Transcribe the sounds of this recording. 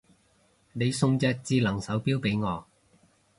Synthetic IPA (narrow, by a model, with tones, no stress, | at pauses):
ne˨˧jsʊ˧ŋt͡sɛː˧k̚t͡siː˧lɐ˨˩ŋsɐ˨˥wpiː˥wpe˨˥jŋɔː˨˧